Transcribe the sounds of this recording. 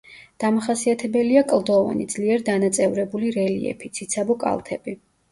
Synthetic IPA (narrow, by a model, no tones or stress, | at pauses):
d̪̥amaχasiat̪ʰɛbɛliakʼlˠd̪ɔva̰nid̪zliɛɾid̪anat̪sʼɛvɾɛbuliɾɛlḭɛ̰pʰit̪sʰit̪sʰabɔkʼa̰lˠt̪ʰɛbi